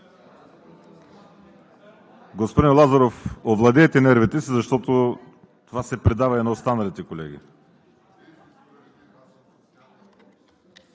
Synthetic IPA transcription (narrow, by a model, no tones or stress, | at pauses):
ɡospod̪inlˠazɐɾofovlˠɐd̪ɛːt̪ɛnɛɾvit̪ɛsizɐʃt̪ɔt̪o | t̪ovasɛpɾɛd̪avɐɛnɐost̪anɐlit̪ɛkolɛɡḭ